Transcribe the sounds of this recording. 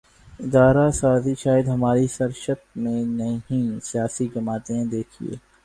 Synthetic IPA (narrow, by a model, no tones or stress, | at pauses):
ɪd̪aːɾasaːziʃaːjɪd̪ɦɐmaːɾisɐɾʃət̪̚mẽnɐɦĩsijaːsid͡ʒɐmaːt̪eẽd̪eːkʰḭḛː